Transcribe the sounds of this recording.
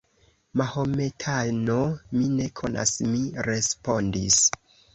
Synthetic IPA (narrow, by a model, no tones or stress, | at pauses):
mahometʰanomine̞kʰo̞nʔa̰smiɾe̞spo̞ndis